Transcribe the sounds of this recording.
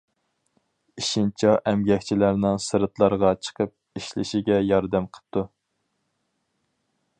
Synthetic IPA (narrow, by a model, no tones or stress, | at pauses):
iʃint͡ʃʰɑʔɛmɡʲɛkʲt͡ʃʰilæɾnɪŋsɨɾɨt̪lˠɑɾʁɑt͡ʃʰə̥qəp̚ | iʃlɪ̰ʃiɡʲɛjɑɾd̪æmqʰə̥p̚t̪u